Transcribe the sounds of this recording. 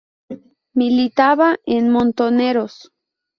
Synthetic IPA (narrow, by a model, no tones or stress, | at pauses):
milit̪aβaenmont̪oneɾos